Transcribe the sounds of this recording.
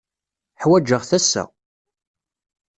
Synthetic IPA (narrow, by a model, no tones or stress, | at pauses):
ħwæd͡ʒəʁθæsːæ̰